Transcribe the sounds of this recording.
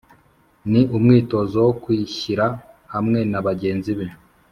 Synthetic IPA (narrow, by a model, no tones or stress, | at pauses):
niʔumŋiːto̞zowokwiːçiɾa | hamŋe̞naβaɟe̞ːnziβe